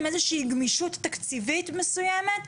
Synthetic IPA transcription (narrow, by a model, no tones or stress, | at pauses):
mʔezeʃiiɡmiʃut̪ːɐkt͡sivit̪mesujemet̪